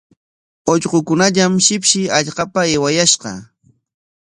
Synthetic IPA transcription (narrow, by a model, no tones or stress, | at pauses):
oʎqokʊnaʎamʃɪpʃɪaʎqɑpaɪwajaʃqɑ̰